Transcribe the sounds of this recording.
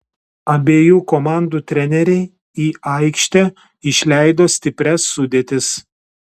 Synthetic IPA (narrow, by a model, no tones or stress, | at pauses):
ɐbʲeːjuːkomɑˑnd̪uːt̪ʲɾʲɛnʲɛɾʲɛɪ | iːɐɪkʃʲt̪ʲɛ | ɪʃʲlʲæˑɪd̪oːsʲt̪ʲɪpʲɾʲɛsːʊd̪ʲeːt̪ʲɪs